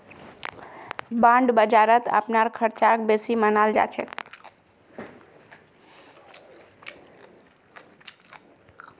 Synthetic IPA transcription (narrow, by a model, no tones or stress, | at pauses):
bãɳɖbəd͡ʒaɾət̪ə̰pnaɾkʰəɾt͡ʃak̚besimənald͡ʒa̰t͡ʃʰɛ